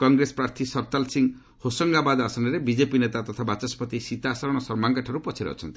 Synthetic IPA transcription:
kɔŋɡɾespɾaɾt̪ʰisɔɾt̪alsiŋɡ | hosɔŋɡabad̪asɔnɔɾebid͡ʒepinet̪at̪ɔt̪ʰabat͡ʃɔspɔt̪isit̪asɔɾɔɽ̃ɔsɔɾmaŋkaʈʰaɾupɔt͡ʃʰiɾḛɔ̰t͡ʃʰɔnt̪i̥

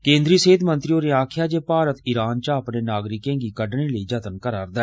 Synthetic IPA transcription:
kẽːnd̪ɾiːsəɦɪd̪mə̃nt̪ɾioːɾeaːkʰɪjaːd͡ʒeːpaːɾət̪ɪɾaːnt͡ʃaəpneːnaːɡɾɪkẽːɡiːkəɖɳeːləiːd͡ʒət̪ənkəɾaːɾd̪ɛː

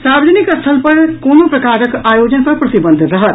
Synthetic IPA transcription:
saːbd͡ʒənɪkəst̪ʰəlpɐɾkoːnopɾɐkaːɾəkaːjoːd͡ʒənpɐɾpɾɐt̪ibə̃nd̪ʱɾɐɦət̪

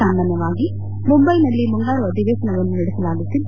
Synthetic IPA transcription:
and̪ɐnɐʋaːɡi | mʊmbɐɪnɐlːimʊŋɡaːɾɯɐðɪʋeːsɐnɐɔnɐnɪɽɯsɐlaːɡɐt̪ːɪl

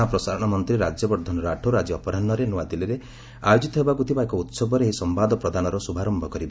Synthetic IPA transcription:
apɾɔsaɾɔɽ̃ɔmɔnt̪ɾiɾad͡ʒjɔbɔɾd̪ʱɔnɔɾaʈʰoɾad͡ʒiɔpɔɾanːɔɾenuwad̪iliɾe | ajod͡ʒit̪ɔɦebakut̪ʰibaekɔut̪sɔbɔɾeeɦisɔmbad̪ɔpɾɔd̪anɔɾɔsubʱaɾɔmbʱɔkɔɾiba

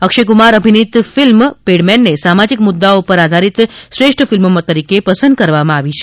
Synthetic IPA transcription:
əkʃek̬umaɾəbʱinit̪filmpeɽmɛnːesamad͡ʒikmʊd̪ːaopəɾad̪ʱaɾit̪ʃɾeʂʈʰfilmomət̪əɾikepəsə̃nd̪̚kəɾʋamãaʋit͡ʃʰe

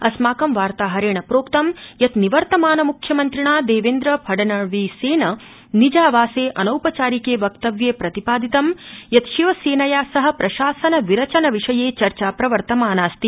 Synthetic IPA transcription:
ɐsmaːkɐmʋaːɾt̪aːɦɐɾeːɳɐpɾoːkt̪ɐmjɐt̪niʋɐɾt̪ɐmaːnɐmukʰjɐmɐnt̪ɾiɳaːd̪eːʋeːnd̪ɾɐpʰɐɖɐnɐʋiːseːnɐ | nid͡ʒaːʋaːseːʔɐnɐwpɐt͡ʃaːɾikeːʋɐk̚t̪ɐʋjeːpɾɐt̪ipaːd̪it̪ɐmjɐt̪ʃiʋɐseːnɐjaːsɐɦɐ̆pɾɐʃaːsɐnɐʋiɾɐt͡ʃɐnɐʋiʂɐjeːt͡ʃɐɾt͡ʃaːpɾɐʋɐɾt̪ɐmaːnaːst̪i

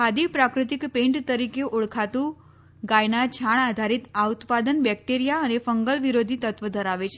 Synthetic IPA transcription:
kʰad̪ipɾakɾɪt̪ikpẽɳʈt̪əɾikeʔoɭkʰat̪ũ | ɡajnat͡ʃʰaɳad̪ʱaɾit̪aut̪pad̪ənbɛk̚ʈeɾijaənefəŋɡəlʋiɾod̪ʱit̪ət̪ʋəd̪ʱəɾaʋet͡ʃʰe

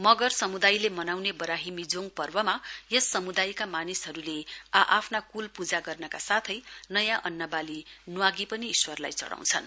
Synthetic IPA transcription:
mʌɡʌrsʌmud̪ajlemʌnawnebʌɾaɦimid͡zoŋpʌrbʌmajʌsːʌmud̪ajkamanisɦʌɾuleaʔapʰnakulpud͡zaɡʌrnʌkasat̪ʰʌjnʌjãʔʌnːʌbalinuwaɡipʌniːswʌrla̰jt͡sʌ̰ɽa̰w̃t͡sʰʌn

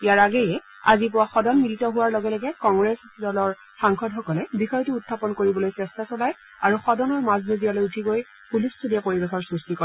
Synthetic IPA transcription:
ijaɹaɡɛjɛ | a̰zip̬ʊwaxɔdɔnmilitɔɦʊwaɹlɔɡɛlɔɡɛkɔŋɡɹɛs | dɔlɔɹ | saŋxɔdxɔkɔlɛbixɔjɔtuutʰːapɔnkoɹibɔlojsɛstasɔlaj | aɹuxɔdɔnɔɹmaznizialojutʰiɡoj | pulissʰodiapoɹibexɔɹsɹustikɔ

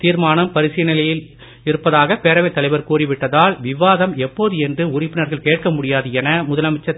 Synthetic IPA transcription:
t̪iːɾmaːnɐmpɐɾɪsɪjɐnɪlɐjɪl | ɪɾɯpːɐðaːɣɐpeːɾɐʋɐɪt̪ːɐlɐɪʋɐɾkuːrɪʋɪʈːɐðaːlʋɪʋaːðɐmɛpːoːðɯɛndrɯʊrɪpːɪnɐɾɣɐɭkeːʈ̚kɐmʊɽɪjaːðɯjɛnɐmʊðɐlɐmɪt͡ʃːɐ

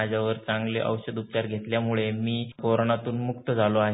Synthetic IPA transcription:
ad͡ʑʱjaʋəɾt͡sãŋɡleʔə̰wɕəd̪up̚t͡ɕaɾɡʱet̪ljamuɭemiːkoɾonat̪uːnmukt̪əd͡zʱaloaɦ

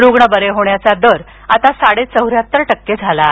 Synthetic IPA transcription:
ɾoɡɳəbəɾeɦoɳjat͡sad̪əɾ | at̪asaɽet͡səwɾjat̪ːəɾʈəkːed͡zʱala

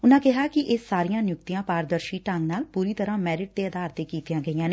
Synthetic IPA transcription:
ʊnãːkɪɦaːkɪʔɪsaːɾijãːnɪjʊkt̪ijãːpaːɾd̪əɾʃiːʈãŋɡnaːlpuːɾiːt̪əɾãːmɛːɾɪʈ̚d̪eːəd̪aːɾt̪eːkiːt̪ijãːɡəijãːneː

